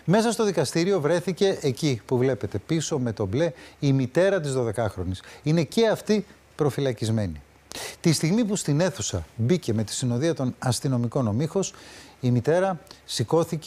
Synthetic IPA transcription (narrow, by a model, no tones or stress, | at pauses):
me̞sɐst̪o̞ðikɐst̪iɾio̞vɾe̞θice̞ʔecipuvle̞pe̞t̪e̞piso̞me̞t̪o̞ble̞imit̪e̞ɾɐt̪̬izðo̞ðe̞kɐxɾo̞nisine̞ce̞ɐft̪i | pɾo̞filɐcizme̞ni | t̪ist̪iɣmipust̪ine̞θusɐ̰bice̞me̞t̪i̥sino̞ðiɐt̪o̞nɐst̪ino̞miko̞nomixo̞simit̪e̞ɾɐsiko̞θic